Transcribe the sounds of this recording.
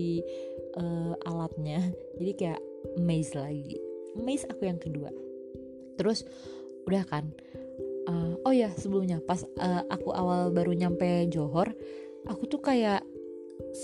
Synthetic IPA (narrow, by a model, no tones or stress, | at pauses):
i | ʔəʔa̰lat̪̚ɲad͡ʒadikaja̰ʔəmezlaɡḭəmezakujaŋkədua̰ | t̪əɾʊs | udahkan | əojasəbəlʊmɲapasəːʔakuʔawalbaɾuɲampɛd͡ʒoɦɔr | ʔakut̪ʊkajaʔ | s